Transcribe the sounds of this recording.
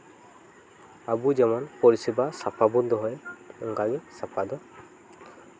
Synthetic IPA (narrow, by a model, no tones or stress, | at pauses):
abud͡ʒɛmɔnpɔɹisibasapʰabund̪ɔɦɔjɔŋɡaɡɛsapʰad̪ɔ